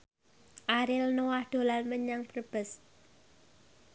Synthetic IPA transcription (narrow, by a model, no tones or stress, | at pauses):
ʔaɾɪlnowahd̪̥o̤lanməɲaŋpərb̥əs